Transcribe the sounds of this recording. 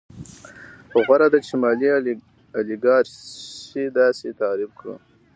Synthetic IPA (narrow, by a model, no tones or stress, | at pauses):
ɣwaɾad̪at͡ʃɪmɑli | aliɡɑɾʃed̪ɑset̪ɑɾɪb̚kɽə̰